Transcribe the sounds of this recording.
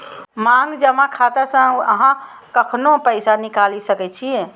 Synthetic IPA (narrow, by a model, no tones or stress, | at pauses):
maŋɡd͡ʒəmakʰat̪asə̃ə̰ɦãkəkʰnopəɪsanikalisəkɛt͡ʃʰijɛ